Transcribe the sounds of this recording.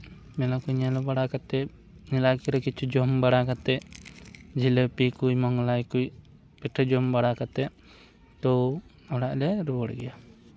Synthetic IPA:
mɛlakujɲalɔbaɽakat̪ɛ | nɛlakiɾɛkit͡ʃʰud͡ʒɔmbaɽakat̪ɛʔ | d͡ʒʱiləpikujmɔŋlajkuj | pɛʈʰɔd͡ʒɔmbaɽakat̪ɛʔ̚ | t̪ɔ | ɔɽaʔlɛɾubɔɽɛɡɛja

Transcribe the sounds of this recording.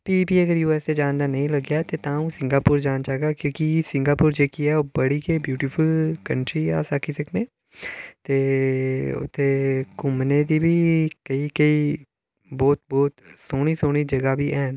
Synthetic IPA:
piːpiːəɡəɾjuːɛːst̪eːd͡ʒãːnd̪aːnəĩːləɡjaːt̪eːt̪ãːũːsɪ̃ŋɡaːpʊːɾd͡ʒaːnt͡ʃaːɡaːkjõːkisɪŋɡaːpʊːɾd͡ʒeːkiɛːoːbəɽiːkeːbjuːʈiːpʰəlkəɳʈɾiːa̰ːsakʰiːsəkʰnẽː | t̪eː | ʊ̰t̪ʰːeːkʊmneːd̪iːbʱiːkəiːkəiː | bɔːt̪̚bɔːt̪soːɽ̃iːsoːɽ̃iːd͡ʒəɡaːbiːʔɛːn

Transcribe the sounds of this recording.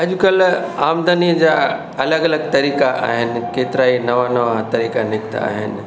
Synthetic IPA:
ɐd͡ʑkɐlaːmd̪ənid͡ʑa | ɐləɡɐləɡt̪ɐɾiːkaʔa̰ːɦɪnɪ̆keːt̪ɪɾaːinɐʋanɐʋat̪ɐɾiːkanɪkt̪a̰a̰ːɦɪ̰nɪ̆

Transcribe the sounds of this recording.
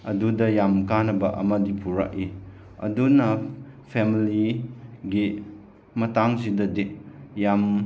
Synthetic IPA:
ɐdudɐjamkanɐbɐʔɐ̰mɐdipʰuɾa̰k̚i | ɐ̰dunɐ | pʰemiliɡi | mɐtaŋzidɐdijam

